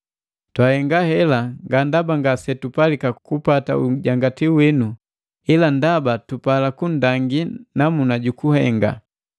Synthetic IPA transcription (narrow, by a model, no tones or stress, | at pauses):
twahɛŋɡahɛlaŋɡandabaŋɡasɛtupalikakupata̰uɟaŋɡatiuwinu | ilandabatupalakundaŋɡinamunaɟukuhɛŋɡa̰